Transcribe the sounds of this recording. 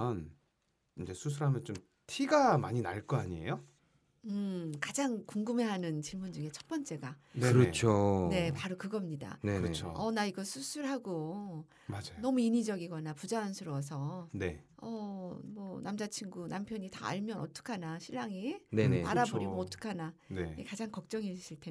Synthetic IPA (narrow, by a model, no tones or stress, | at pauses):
n | ind͡ʑe̞sʰusʰuɾɦamjʌnt͡ɕom | tʰiɡamaɲina̰ɭk͈ʌaɲiḛjo | ɯkad͡ʑaŋkuŋɡɯme̞ɦanɯnt͡ɕiɭmund͡ʑuŋe̞t͡ɕʰʌt̚p͈ʌnt͡ɕ͈e̞ɡanɯɾʌt͡ɕʰone̞paɾukɯɡʌmɲida̰nenet͡ɕʰo̰ʌnaiɡʌsʰusʰuɾɦaɡo | mad͡ʑanʌmuiɲid͡ʑʌɡiɡʌnapud͡ʑansʰɯɾwʌsʰʌne̞ʌmʌnamd͡ʑat͡ɕʰiŋɡunampʰjʌɲita̰ːɭmjʌnʌt͈ʰɯ̥kʰanaɕʰiɭːaŋinenepaɾaboɾioʌt͈ʰɯ̥kʰananeekad͡ʑaŋkʌk̚t͡ɕ͈ʌŋiɕʰiɭtʰe